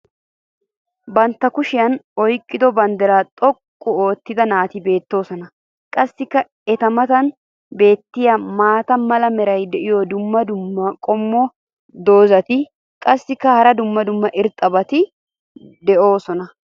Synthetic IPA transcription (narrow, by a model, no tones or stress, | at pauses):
bɐnt̪ːɐkʊʃɪjɐnɔjkʼːɪd̪ɔbɐnd̪ɛɾaːt̪ʼɔkʼːɔoːt̪ːɪd̪ɐnaːt̪ɪbe̞ːt̪ːo̞ːsɔnɐ | kʼɐsːɪkːɐ | ɛt̪ɐmɐt̪ɐn | be̞ːt̪ːɪjɐmaːt̪ɐmɐlɐmɛɾɐjd̪ɛʔɪjɔd̪ʊmːɐd̪ʊmːɐkʼɔmːɔ | d̪o̞ːzɐt̪ɪ | kʼɐsːɪkːɐhɐɾɐd̪ʊmːɐd̪ʊmːɐʔɪɾt̪ʼɐbɐt̪ɪ | d̪ɛʔo̞ːsɔnɐ